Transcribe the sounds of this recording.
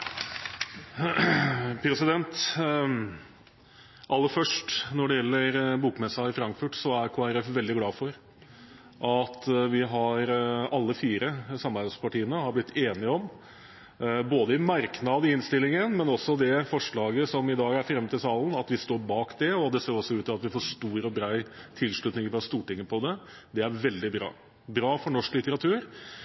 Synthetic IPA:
pʰɾɛsɪd̪ɛnt̪ | ʔɑlːəfœʂʈnɔɖɛjɛlːəɾbuːkmɛsɑɪfɾɑŋkfʉʈsɔæɾkʰoːæɾɛfʋɛld̪ɪɡlɑːfɔɾ | ʔɑt̪ʋɪɦɑɾɑlːəfiːɾəsɑmːɑɾɑspɑʈiːənəhɑblɪt̪ʰːeːnɪəɔm | boːd̪əɪmæɾknɑd̪ɪɪnst̪ɪlːɪŋənmɛnɔsɔd̪ɛfɔʂɭɑːɡəsɔmɪd̪ɑːɡæɾfɾɛmːət̪ɪlsɑːlən̩ɑt̪ʋɪst̪oːɾbɑːkd̪ɛɔd̪ɛseːɾɔsːɔʉːt̪ɑɑt̪ʋɪfoːʂt̪uːɾɔbɾæɪt̪ʰɪlʂɭʉt̪nɪŋfɾɑst̪uːʈɪŋːəpʰɔd̪ɛ | d̪ɛæɾʋɛld̪ɪbɾɑ̰ː | bɾɑːfɔɳɔʂklɪt̪əɾɑt̪ʰʉːɾ

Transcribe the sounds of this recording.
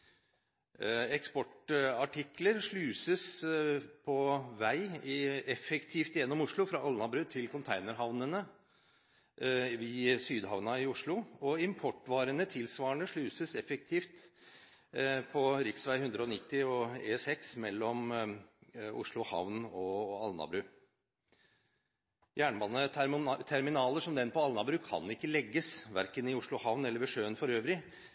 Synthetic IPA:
ɛkspɔʈɑʈʰɪkləɾʂɭʉːsəs | pʰɔʋæɪɪɛfɛkt̪ʰiːft̪ɪjɛnːɔmʊʂɭʊfɾɑʔɑlnɑbɾʉt̪ʰːɪlkʊnt̪ʰæɪnəɾɦɑʋnənə | ʋɪːsyːd̪ɦɑʋnɑɪʊʂɭʊɔɪmpʰɔʈːʋɑːɾənət̪ʰɪlsʋɑːəɳəʂɭʉːsəsɛfɛk̚t̪ʰiːft̪ | pʰɔɾɪksʋæɪhʉnd̪ɾəɔnɪt̪ːɪɔeːsɛksmɛlːɔm | ʊ̰ʂɭʊhɑ̰ʋnɔɑlnɑ̰bɾʉː | jæːɳbɑnːət̪ʰɛɾmɪnɑːləʂɔmd̪ɛnpɔɑlnɑbɾʉːkʰɑ̰nɪkːəlɛɡːəsʋæɾkənɪʊʂɭʊhɑʋnɛlːəɾʋɛʂøːənfɔɾøːʋɾɪ

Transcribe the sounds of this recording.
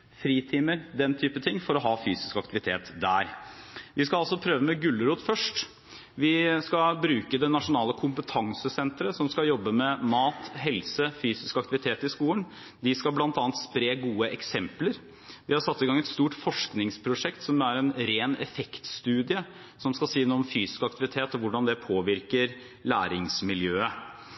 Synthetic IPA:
fɾiːt̪ʰiːməɾd̪ɛnt̪ʰyːpət̪ʰɪŋːfɔɾɔɦɑːfyːsɪ̥skɑk̚t̪ɪʋɪt̪ʰḛːt̪d̪æːɾʋɪskɑɑlsɔpʰɾøːʋəmɛɡʉlːəɾuːt̪fœʂʈ | ʋɪskɑbɾʉːkəd̪ɛnɑʂʊnɑːləkʰʊmpət̪ʰɑŋsəsɛnt̪ɾəsɔmskɑjɔbːəmɛmɑːt̪ɦɛlsəfyːsɪskɑkt̪ɪʋɪt̪ʰeːt̪ɪskuːlən | d̪ɪskɑlblɑnt̪ɑːnt̪spɾeːɡuːəʔɛksɛmpləɾ | ʋɪhɑɾʂsɑt̪ːɪɡɑŋɛt̪st̪uːʈfɔʂknɪŋspʰɾʊʂɛkt̪sɔmæɾɛnɾeːnɛ̰fɛkt̪st̪ʉːd̪ɪə | sɔmskɑsiːnuːɔmfyːsɪ̥skɑk̚t̪ɪʋɪt̪ʰeːt̪ɔʋʊɖɑnd̪ɛpʰoːʋɪɾkəɾ | læːɾɪŋsmɪljøːə

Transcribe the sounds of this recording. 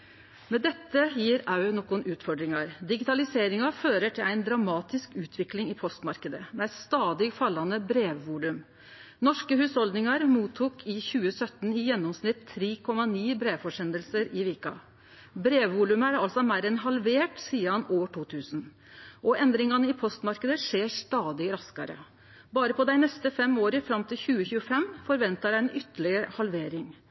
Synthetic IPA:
mɛd̪ɛt̪ːəjiːɾɑʉnɔkʊnʉːt̪fɔɖɾɪŋɑɾd̪ɪɡɪt̪ɑlɪseːɾɪŋɑføːɾəʈʰɪlæɪnd̪ɾɑmɑːt̪ɪskʉːt̪ʰʋɪklɪŋɪpʰɔst̪mɑɾkəd̪əmɛæɪst̪ɑːd̪ɪɡfɑlːɑnəbɾeːʋʋuːlʉm | nɔʂkəɦhʉːshɔld̪nɪŋɑɾmuːt̪ʰːuːkʰɪçʉːəsœt̪ːn̩ɪjɛnːɔmsnɪt̪ʰːɾeːkʰɔmːɑniːbɾeːʋfɔʂɛnd̪əlsəɾɪʋeːkɑ̰ | bɾeːʋːuːlʉmæɖɛɑlsɔmæɪɾɛnɦɑlʋeːʈsiːəhɑnoːʈʰuːt̪ʰʉːsn | ʔɔʔɛnd̪ɾɪŋɑnəɪpʰɔst̪mɑɾkəd̪əʂeːʂt̪ɑːd̪ɪɾɑskɑɾə̰ | bɑːɾəpʰɔd̪æɪnɛst̪əfɛmoːɾəfɾɑmt̪ʰɪlçʉːəçʉːəfɛmfɔɾʋɛnt̪ɑɖæɪɛnʔʏt̪ːəɭɪəɾəhɑlʋeːɾɪŋ

